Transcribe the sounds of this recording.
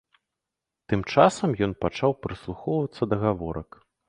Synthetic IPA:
t̪ɨmt͡ʂasɐmjɔnpat͡ʂawpɾɨslˠuxɔwvɐt̪sːɐd̪ɐɣavɔɾɐk

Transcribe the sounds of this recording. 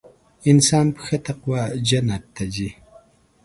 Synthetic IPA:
ɪnsɑːnpə̥xat̪aqwad͡ʒanat̪ːad͡ʒi

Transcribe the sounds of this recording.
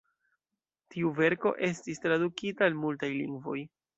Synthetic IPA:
tʰiuve̞ɾko̞̰ʔe̞stistɾadukitaːlmultajlḭŋɡvo̞̰j

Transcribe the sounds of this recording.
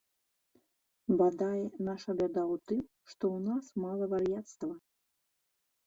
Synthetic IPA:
bad̪ajɛnaʂɐbʲad̪awt̪ɨm | ʂt̪ɔwnasmalˠɐvarjat̪st̪vɐ

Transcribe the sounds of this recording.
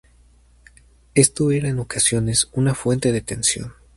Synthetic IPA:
e̞st̪oe̞ɾaeno̞kasjo̞ne̞sunafwe̞nt̪e̞ðet̪e̞nsjo̞̰n

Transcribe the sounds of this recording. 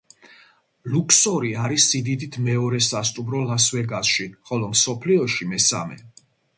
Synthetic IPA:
lukʰsɔɾiaɾisːid̪id̪it̪ʰmɛɔɾɛsast̪ʼumɾɔlaswɛɡazʃiχɔlɔmsɔpʰliɔʃimɛsa̰mɛ̰

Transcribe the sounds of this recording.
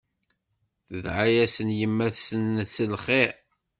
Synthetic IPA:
θəðʕajæsənjəmːæθsənːət͡sːəlχeʕ

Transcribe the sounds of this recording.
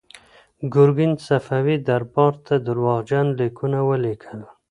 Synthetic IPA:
ɡʊɾɡinsafawid̪aɾbɑɾt̪ʰad̪əɾwɑɣd͡ʒanlikʰunawəlikʰəl

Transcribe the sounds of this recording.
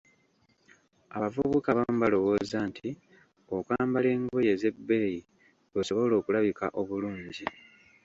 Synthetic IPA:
aβavuβukaβamubalo̞wo̞ːzaːntʰi | okwaːmbale̞ːŋɡoje̞ze̞bːe̞ːji | βoso̞βo̞lo̞ːkulaβikaʔo̞βuluːɲɟi

